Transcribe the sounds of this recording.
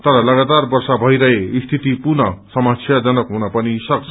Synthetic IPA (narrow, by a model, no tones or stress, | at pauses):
t̪ʌɾʌlʌɡat̪arbʌrsabʱʌiɾʌɦeist̪ʰit̪ipurnʌsʌmasʰjad͡zʌnʌkɦunapʌnisʌkt͡sʰʌ